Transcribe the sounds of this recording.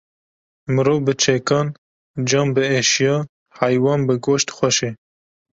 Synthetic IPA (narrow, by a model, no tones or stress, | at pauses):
mɨɾoːvbɨt͡ʃʰɛkɑːn | d͡ʒɑːmbɨeʃjɑː | hæjwɑːnbɨɡoːʃt̪xʷɛʃe